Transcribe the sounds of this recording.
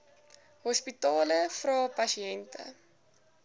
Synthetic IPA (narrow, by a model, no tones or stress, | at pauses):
ɦɔspitɑːləfrɑːpɐsiɛntʰə̰